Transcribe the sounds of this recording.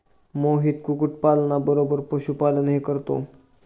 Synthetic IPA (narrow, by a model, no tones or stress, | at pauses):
moɦiːt̪̚kukuʈ̚palnabəɾobəɾpəɕupalənɦekəɾt̪o̰